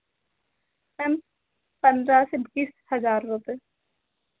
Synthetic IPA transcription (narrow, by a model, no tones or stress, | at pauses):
pɛm | pə̃nd̪ɾasɪbɡishəzaːɾːʊpe